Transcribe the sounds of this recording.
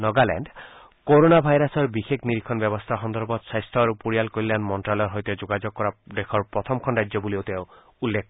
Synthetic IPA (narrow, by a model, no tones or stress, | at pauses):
nɔɡalɛ̰ɳɖ | koɾonabʱajɾasɔɾbixekʰniɾikʰɔnbɛbɔst̪ʰaxɔnd̪ɔɾbɔt̪sajst̪ʰɔaɾupuɾijalkoɾilanmɔnʈɾalɔɾɦɔjt̪ɔd͡ʒoɡad͡ʒoɡ̚kɔɾad̪ekʰɔɾpɾɔt̪ʰɔmkʰɔnɾajd͡ʒjɔbuliowt̪eʊ | ulːekʰ